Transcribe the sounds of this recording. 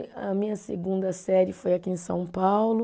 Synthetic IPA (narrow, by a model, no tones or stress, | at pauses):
ɐ̰mĩɲɐseɡũnd̪ɐsɛɾɪfojakiẽsɐ̰̃w̃pawlʊ